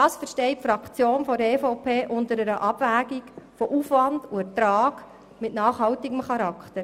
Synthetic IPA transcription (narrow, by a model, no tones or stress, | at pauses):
ɑːsfəɾʃtɛɪtfɾɑkt͡sjoːnfɔdeːfoʊpʰeːʔʊndəɾəɾəʔɑb̥væːɡikfɔʔufʋɑnduɛtɾɑːɡ̥ | mɪtnɑːχhɑwtɪɡəmχɑɾɑkχtəɾ